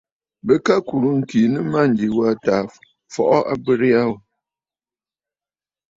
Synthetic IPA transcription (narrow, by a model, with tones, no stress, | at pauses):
bə˦ka˦ku˨ɾu˦ŋ̩˨ki˨nɨ˦ma˦n̩˨d͡ʒi˨wa˦ta˨ | fɔ̰˨ʔɔ˦ʔa̰˦bɨ˦ɾi˦a˦w